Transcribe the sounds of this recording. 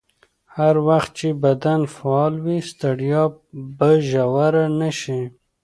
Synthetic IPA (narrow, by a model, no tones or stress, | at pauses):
haɾwaxt̪̚t͡ʃebad̪anfaɑlwist̪aɽijɑbaʒawaɾanaʃi